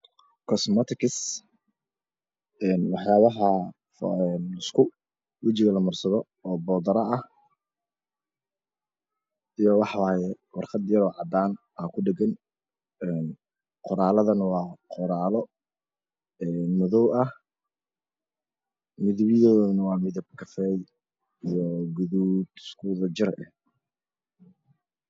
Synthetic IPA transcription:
kʰɔsmɔt̪ʰɪkʰɪs | ɛːnwɑħjaːβɐɦɐ | fɛnɪskʰʊ | wɐt͡ʃɪɣɐlɐmʊrsɐðɔː | bɔːd̪ɐɾɐʔɐh | ijɔwɑħwɑːjɛ | wɑrqɑd̪jɐɾɔːʕɑd̪aːn | aːkʰʊɖɛɡɐn | ɛn | qɔɾaːlɐðɐnɐwɑːqɔɾaːlɔ | ɛːnmʊðɔwʔɐh | mɪðɪβɪðɔːðnɐwɑːmɪðɐb̚kʰɐfɛːj | ijɔɡʊðud̪ɪskʰuːðɐd͡ʒɪɾʔɛh

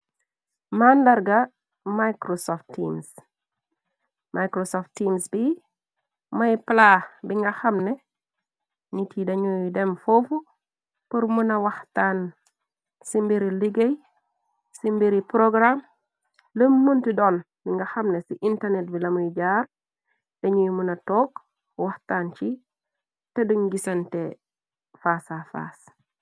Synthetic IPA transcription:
mandɐɾɡɐ | majkɾosɔftːims | mʔajkɾosɔftimsbi | mɐjplabiŋɡɐxɐmnɛ | nitʰidɐɲujdɛmfofu | puɾmunɐwɐxtan | simbiɾiliɡej | simbeɾipɾoɡɾam | ləmːuntidɔːn | biŋɡaxɐmnesiʔintarnet̚bilɐmujɟaːɾ | d̥ɐɲujmunɐtɔːk | waxtaːnt͡ʃi | tediɲɡisɐnte | faːsafa̰ːs

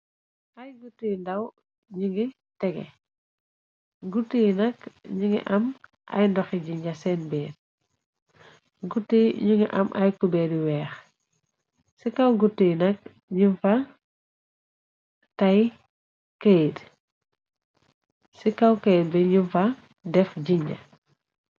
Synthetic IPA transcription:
ʔajɡutːijndaw | ɲuŋɡi | tɛɡɛ̰ | ɡutːijnɐkɲiŋɡḭʔɐm | ʔɐ̰jndɔxiɟiɲɟasɛnbɛːd | ɡutːiɲuŋɡḭʔɐ̰mʔajkubɛːɾiwɛːx | sikawɡutːijnɐk̚ | ɲunfɐ | tɐj | kejt | sikawkejt̚bɛɲumfɐ | dɛfɟiɲɟɐ̰

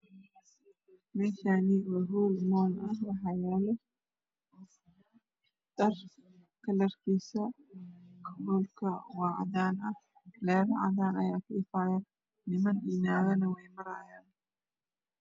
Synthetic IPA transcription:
mɛːʃaːnɪwɐɦuːlmɔːnɐhwɑħɑjaːlɛ | d̪ɐr | kʰɐlɐrkʰiːsɐ | kʰɐbɔːlkʰɐwɑːʕ̰ðaːnɐh | lɛːɾɐʕɑ̰ðaːnɐjaːkʰʊɪfaːjɐ | nɪmɐnɗiːnaːɣɐnɐwɛjmɐɾaːjaːn

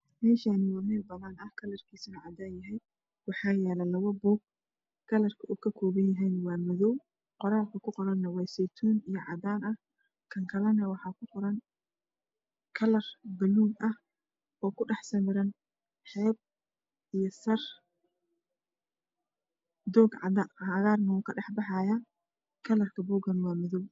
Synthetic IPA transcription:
mɛːʃaːnɪwɐmɛːlbɐðɐnɐhkʰɐlɐrkʰiːsɐnɐʕɑd̪aːnjɐɦɛj | wɑħɑːjɛːlɐlɐwɐbuːɡ̚ | kʰɐlɐrkʰɐʔukʰɐkʰɔːβɐnjɐɦɛjnwɑːmɔðɔw | qɔɾaːlkʰɐkʰʊqɔɾɐnːɐwɑːjsɛjt̪ʰuːnijɞʕɑd̪aːnɐh | kʰɐŋkʰɐlɛnɐwɑħɑːkʰʊqɔɾɐn | kʰɐlɐrbɐluːmʔɐh | ɔːkʰʊɖɑħsɐmɪɾɐn | ħɛːb̚ | ijɔsɐr | d̪ɔːɡʕɑ̰d̪aːnaɣaːrnɐwʊːkʰɐɖɑħbɑħɑːja | kʰɐlɐrkʰɐbuːɡɐnwɑːmɔðɔw

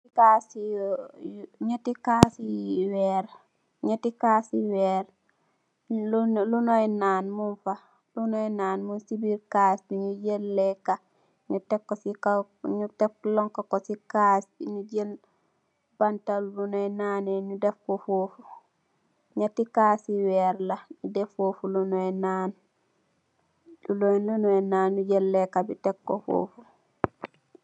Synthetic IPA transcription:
kasijɲatikaːsiwɛːɾ | ɲotikaːsiwɛːɾ | lunojnaːnmunfa | lunojnaːnmunsibiɾkaːsbiɲuɟenlɛkːa | ɲutekːosika | ɲuteflɔŋkokosikasbiɲud͡ʒel | b̥antalulunɔɛnanɛɲudɛfkɔfoːfu | ɲatikaːsiwɛɾlaɲudɛfofulunɔɛnaːn | lulɔnlunɔɛnaːnɲud͡ʒɛlːɛkabitɛkːɔfo̰ːfu

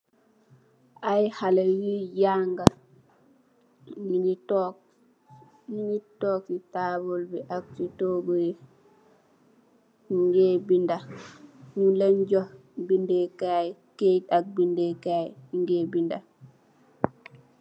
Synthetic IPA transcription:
ʔajhalajijaŋɡa | ŋitɔkitaːbɔlbɛʔak̚titɔɡɔjɛ | ŋɡɛbinda | nulɛnd͡ʒɔh | bindɛkajkejtak̚bindɛkajŋɡɛbinda

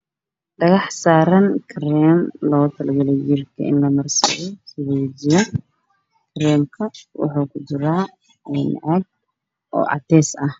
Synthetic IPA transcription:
ɖɐɣɑħsaːɾɐnkʰɾɛːmlɔːt̪ʰɐlɐɡɐljɪrkʰɐ̰ɪ̰nlɐmɐrsɐ̰ɣɔsɪðɛwd͡ʒɪjɔ | kʰɾɛːmkʰɐwʊ̰ħuːkʰʊd̪ʊɾaː | ɛnʕɑɡ̚ | ʔɔ̰ːʕɑ̰t̪ʰɛːsɐh

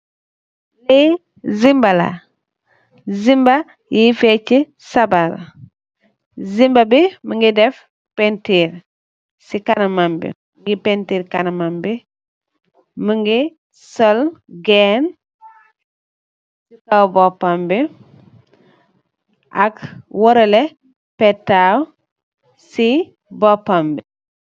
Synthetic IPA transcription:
lɛ | zimbɐlɐ̰ | zimbɐ | jifɛci | sɐbal | zimbɐbiməŋɡidɛf | pɛntiːɾ | sikɐnɐmambḭmŋɡipɛntiːɾkɐnɐmambi | məŋɡi | sɔlɡɛːn | sikawbɔpambi | ʔɐkwɔɾɐlɛ | pɛtːaw | si | bɔpːambi

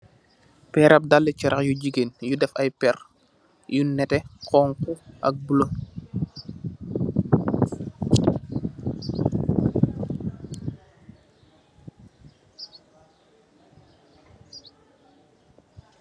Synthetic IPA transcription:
pɛːɾɐp̚dalːɛcɛɾʔɐxjuɟiɡenjudɛfɐjpɛr | junɛtɛkɔːŋkuʔɐ̰k̚bulo

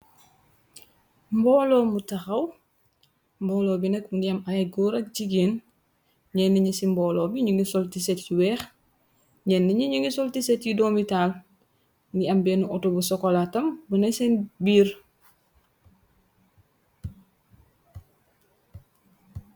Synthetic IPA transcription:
mbɔːlɔːmutɐxɐw | mbɔːlɔːbinɛkundiɐmɐjɛɡɔɾɐk̚d͡ʒiɡeːn | ɲɛnːiɲəsimbɔːlɔːbiɲuŋɡisɔltisɛtciwɛːx | ɲɛnːiɲuɲuŋɡisɔltisɛtjidɔmital | ndiɐmbɛnuʔɔtobusɔkɔlatɐmbənɐsɛnbiːr

